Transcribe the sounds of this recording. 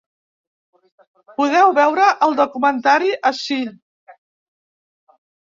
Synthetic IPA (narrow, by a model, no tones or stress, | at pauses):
puðɛwβɛwɾəʔəlˠd̪ukumənt̪aɾiʔəʃi